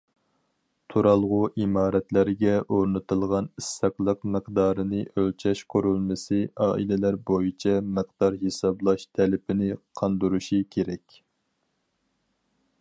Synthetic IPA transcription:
t̪ʰuɾɑlˠʁʊʔimɑːɾɛt̪læɾɡʲɛʔoɾnɨt̪ɨlˠʁɑnisːɑqlˠəqmɨqd̪ɑːɾɨnɨʔølt͡ʃʰɛʃqʰoɾulˠmɪsɨɑːʔḭlɪlæɾbojit͡ʃʰɛmɨq̚d̪̥ɑɾɦesɑblˠɑʃt̪ʰɛlɪpʰɪnɪqʰɑnd̪uɾuʃikʲʰeɾɛkʲ

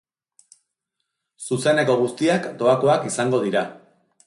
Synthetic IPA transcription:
suse̞ne̞ko̞ɣ̞ust̪iakd̪o̞ako̞akisaŋɡo̞ð̞iɾa

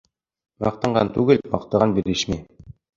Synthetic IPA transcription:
mɑ̰q̚t̪ɤ̆ɴɢɑnt̪ʉɡɘlmɑ̰qt̪ɤ̆ʁɑnbiɾɘʃmi

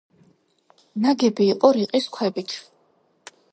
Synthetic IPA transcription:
naɡɛbiːqʼɔɾiqʼiskʰwɛbit̪ʰ

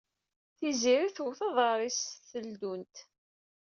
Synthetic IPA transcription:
θiziɾiθuwθɑðˤɑɾˤisθəld̪unt̪

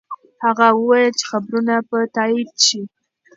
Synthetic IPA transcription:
haɣawəwɑjəlt͡ʃe̥xabɾunapət̪ɑid̪̚ʃi

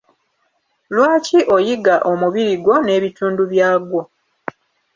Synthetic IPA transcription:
lwaːciʔojiɡaʔomuβiɾiɡo̞ne̞ːβituːnduβjaːɡwo̞

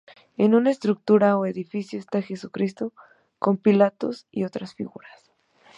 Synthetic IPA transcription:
e̞nunaest̪ɾuk̚t̪uɾaoe̞ðifisjoest̪axe̞sukɾist̪o̞ | ko̞mpilat̪o̞̰sḭo̞t̪ɾasfḭɣuɾas

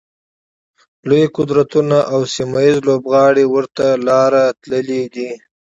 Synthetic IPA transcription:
lojqʊd̪ɾat̪unaʔawsimajizlobɣɑɽiwəɾt̪alɑɾat̪ləlid̪i

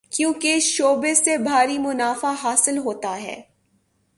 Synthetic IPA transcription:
kjũːkeʃoːbesebʱaːɾimʊnaːfaɦaːsɪlɦoːt̪aɦɛ̰ː

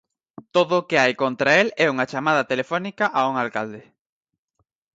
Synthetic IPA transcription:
t̪oðʊkeajkont̪ɾaelɛuŋat͡ʃamað̞ɐt̪elefonikaʔauŋalkald̪e

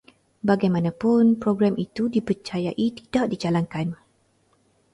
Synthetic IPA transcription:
baɡajmãnãpʊnpɾoɡɾamʔit̪udipərt͡ʃajaʔit̪idaʔ̚did͡ʒalaŋkan

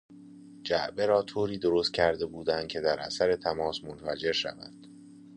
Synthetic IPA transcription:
d͡ʒæʔbe̞ɾɒːt̪ʰoːɾiːd̪oɾoːst̪̚cʰæɾd̪e̞buːd̪ænd̪̚cʰe̞d̪æɾʔæ̰sæɾe̞t̪ʰæmɒːsmonfæd͡ʒe̞ɾʃæ̰væ̰d̪̥

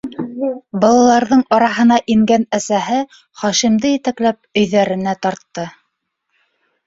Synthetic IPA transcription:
bɑlˠɑlˠɑɾðɤɴɑɾɑɦɤ̆nɑʔiŋɡænæsæɦɘ | χɑʃimd̪ɘjɘ̆t̪æklæp̚ɵ̆jðæɾɘ̆næt̪ɑɾt̪ːɤ

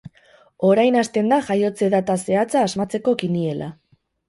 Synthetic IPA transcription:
o̞ɾajnast̪e̞nd̪aʝajo̞t͡se̞ðat̪ase̞at͡saːzmat͡se̞ko̞kinie̞la̰

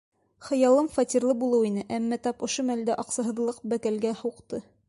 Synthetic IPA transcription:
χɤ̆jɑlˠɤmfɑt̪ʲirlˠɤbulˠɤwinɘʔæmːæt̪ɑpŏʃomæld̪æʔɑqsɑɦɤ̆ðlˠɤqbækælɡæhuqt̪ɤ

